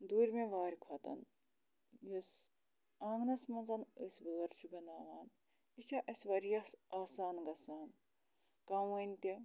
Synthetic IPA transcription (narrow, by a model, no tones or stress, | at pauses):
d̪uːɾʲmeʋaːɾʲikʰwɐt̪ɐ̰n | jes | aːŋɡnɐsmɐnzɐnəsʋɐːɐɾʲt͡ʃʰubʲɐnaːʋaːn | isʲɐʔɐsʋɐɾjɐsaːsaːnɡɐsaːn | kɐwɐnʲt̪i